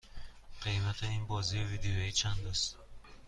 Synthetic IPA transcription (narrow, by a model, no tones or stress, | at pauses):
qʰijmat̪ʰainbɔzivid̪eɔit͡ʃʰand̪ɔst̪